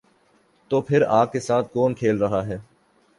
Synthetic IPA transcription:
t̪oːpʰɪɾaːkkesaːt̪̚ʰkoːnkʰeːlɾɐɦaɦɛː

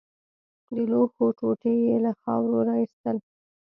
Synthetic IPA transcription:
d̪əloxoʈoʈejelaxɑ̰wɾoɾɑist̪əl

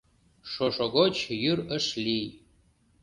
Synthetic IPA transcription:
ʂoʂoɡot͡ʃʰjɨrəʂlʲij

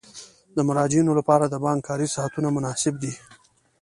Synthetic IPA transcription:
d̪əmaɾɑd͡ʒjunolapɑɾad̪əbɑŋɡkʰɑɾisɑhat̪unamʊnɑsɪbd̪i

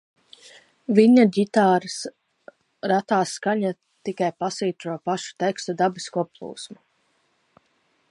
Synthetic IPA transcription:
viɲaɟʲit̪aːɾs | ɾat̪aːsːkaɲa | t̪ikajpasviːt̪ɾuɔpaʃu̥t̪ɛkst̪ud̪abiskɔɔplˠṵːsmu

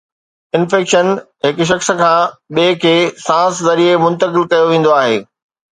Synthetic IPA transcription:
ɪnfɛːkʃən | ɦɪkʊʃ̬ɐxs̆kʰãːɓeːkʰeːsãːszɐɾiemʊ̃nt̪əkɪlkɐjoʋẽːn̆d̪oaːɦeː

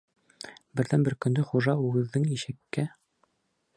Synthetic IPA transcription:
bɘ̆ɾðænbɘɾkɵ̆nd̪ɘχuʒɑʉɡɘ̆ðːɘŋiʃɘ̆kːæ

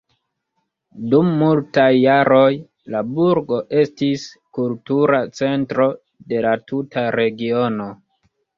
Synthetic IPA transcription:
dumːultajːaɾo̞j | labuɾɡo̞ʔe̞stis | kultuɾat͡se̞ntɾo̞ | de̞latutaɾe̞ɡio̞no̞

